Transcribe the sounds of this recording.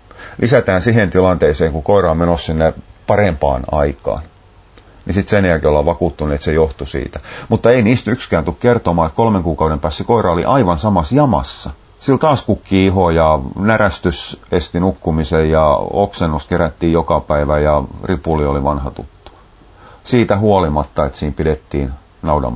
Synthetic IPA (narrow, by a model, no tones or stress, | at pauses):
lʔisæt̪æːnsiɦent̪ilɑnt̪eiseːŋkukoiɾɑːmenossinːepɑrempɑ̰ːnɑ̰ikɑ̰ːn | nisit̪senjækiolːɑʋʋɑkuːt̪ːuneet̪sejoht̪usḭːt̪æmut̪ːɑeiniːst̪ykskæːnt̪ukkert̪omɑːet̪kolmeŋkuːkɑuɾempæːstːsekoirɑolḭʔɑiʋɑnsɑmɑsjɑmɑ̰sːɑ | silt̪ɑːskukːiiɦojɑnæræst̪ysest̪inukːumisejjɑoksenːuskeræt̪ːiːjjokɑpæiʋæjɑripulioliʋɑnhɑt̪ṵt̪ːu̥ | siːt̪æhuolimɑt̪ːɑet̪siːmpidet̪ːiːn | nɑudɑ̰m